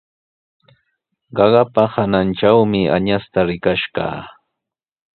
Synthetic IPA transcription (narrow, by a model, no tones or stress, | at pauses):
ɢɑɢɑpahananʈ͡ʂawmɪa̰ɲast̪aɾɪkaʃɢɑ̰ː